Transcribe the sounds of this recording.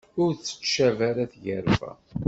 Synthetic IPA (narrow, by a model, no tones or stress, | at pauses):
ʊɾt͡sːə̥t͡ʃːævæɾæθjəɾvæ̰